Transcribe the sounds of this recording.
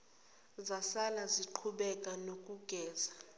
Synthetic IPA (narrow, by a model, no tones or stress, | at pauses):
zasalaziǃʰuɓɛkʼanokʼuɡ̥ʱɛːza